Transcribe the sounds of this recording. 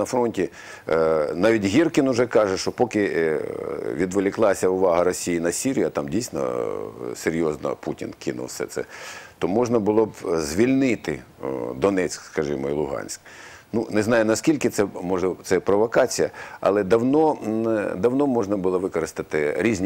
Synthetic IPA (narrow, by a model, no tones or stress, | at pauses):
ɐfɾɔnʲtʲi | nɑʋʲitʲɦʲirkʲɪnʊʒɛkɑʒɛʃt͡ʃɔpɔkɪ | ʋʲid̪ʋelʲɪklˠɑsʲɐʊʋɑɦɐɾɔsʲijinɐsʲiɾʲijɐt̪ɑmdʲijsʲnɐ̰seɾʲjɔznɐ̰putʲinkɪnʊ̰lsɛ̰t̪sɛ̰t̪ɔmɔʒnɐbʊlˠɔbzʲʋʲilʲnɪt̪ɪ̰d̪ɔnɛt͡sʲkskɐʒɪmɔilˠʊɦɑ̰nʲsʲk | nunɛznɑjʊnɐskʲilʲkɪt̪sɛmɔʒɛt̪sɛpɾɔʋɔkɑt͡sʲijɐɐ̰lˠɛd̪ɐwnɔnd̪ɐwnɔmɔʒnɐbʊlˠɔʋɪkɔɾɪst̪ɪt̪ɪɾʲizʲnʲ